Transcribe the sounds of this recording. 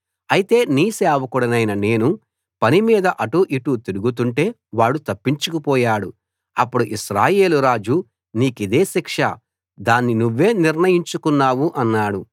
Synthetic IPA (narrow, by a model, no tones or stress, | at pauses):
ɐjit̪e̞ːniːsɛːʋɐkuɽɐnɐjnɐne̞ːnu | pɐnimiːd̪ɐʔɐʈuʔiʈut̪iɾuɡut̪̬uɳʈe̞ː | ʋaːɭːut̪ɐpːiɲt͡ʃukupɔːjaːɽu | ɐpːuɽuʔiʃɾaːje̞ːluɾaːd͡ʒu | niːkid̪e̞ːsikʂɐ̰ | d̪aːnːinuʋːe̞ːniɾnɐjiɲt͡ʃukunːaːwuʔɐnːaːɽu